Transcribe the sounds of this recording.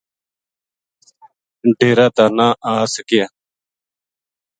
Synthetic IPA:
ɖʱeːɾaːt̪aːnaːʔaːsəkɪjaː

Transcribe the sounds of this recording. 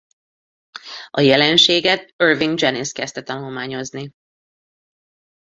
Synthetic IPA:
ɒjɛlɛnʃeːɡɛt̪̚ørviŋɡd͡ʒɛniskɛst̪ɛt̪ɒnulmaːɲo̞zni

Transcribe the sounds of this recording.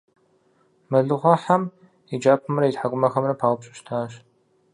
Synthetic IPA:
mɐɮɨʁʷɔħam | id͡ʒaːpʰɨmrɐitħaɡʷʊmɐxɐmrɐpʰaːʁʷʊpɕʼɪʃtʰaːɕ

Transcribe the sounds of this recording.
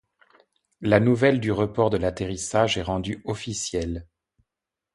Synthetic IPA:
lanuvɛld̪yʁəpɔʁd̪əlat̪eʁisaʒɛʁɑ̃d̪yɔfisjɛl

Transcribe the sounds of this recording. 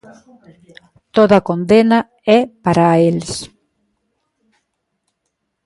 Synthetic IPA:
t̪oðɐkond̪enɐ | ɛpaɾaels

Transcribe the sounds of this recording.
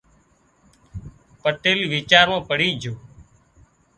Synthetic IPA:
pəʈeːliːʋiːt͡ʃaːɾmãːpəɽiːd͡ʒʱoː

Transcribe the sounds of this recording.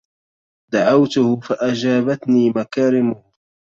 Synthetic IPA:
d̪aʕawt̪ʊhfaʔad͡ʒaːbat̪niːmakaːɾɪmʊ

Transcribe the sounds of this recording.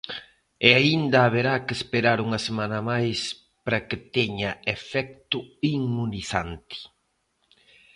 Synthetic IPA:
eaind̪ɐːβ̞eɾakespeɾaɾuŋɐsemanɐmajs | pɾɐkɪt̪ɛɲɐefɛk̚t̪ʊiŋmuniθant̪i̥

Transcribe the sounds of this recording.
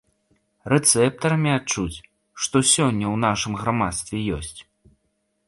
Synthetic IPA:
rɛt̪sɛp̚t̪ɐɾɐmʲiat͡ʂut͡sʲ | ʂt̪ɔsʲɔnʲːɐwn̪aʂɨmɣamat̪st̪vʲɛjɔ̰sʲt͡sʲ

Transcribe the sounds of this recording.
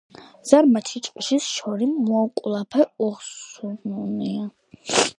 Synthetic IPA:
z̥aɾmat̪ʰit͡ʃʼqʼʃisʃɔɾimːuakʼlˠapʰɛɔχsununia

